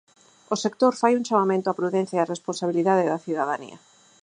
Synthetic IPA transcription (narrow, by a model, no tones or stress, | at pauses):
osekt̪oɾfajuŋt͡ʃamamẽnt̪oapɾuðẽn̟θjaaresponsaβ̞iliðaðeðɐθiðaðanḭɐ̰